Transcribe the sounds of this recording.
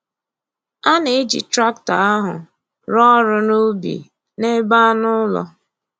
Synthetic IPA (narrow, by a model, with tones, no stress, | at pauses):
a˦ne˨ɪ˦d͡ʒḭ˨tɾa˦k̚ta˨a˦ɦʊ˨ | ɾɔ˦ɾʊ˦nu˦bḭ˨ | ne˦ba˦nʊ˦lɔ̰˦